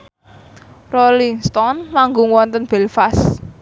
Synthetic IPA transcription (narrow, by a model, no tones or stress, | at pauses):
roliŋst̪ɔnlaŋɡoŋwɔnt̪ənb̥ɛlfas